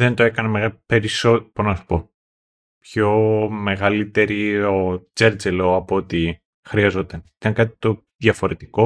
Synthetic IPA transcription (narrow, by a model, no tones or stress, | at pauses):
ðe̞nt̪oe̞kɐnemeɣɐpe̞ɾisopoznɐsu̥po̞ | pço̞me̞ɣɐlit̪e̞ɾiot͡se̞ɾd͡zelo̞ɐpoot̪i | xɾiɐzo̞t̪ɐnit̪ɐŋkɐt̪i̥t̪o̞ | ðʝɐfo̞ɾe̞t̪iko̞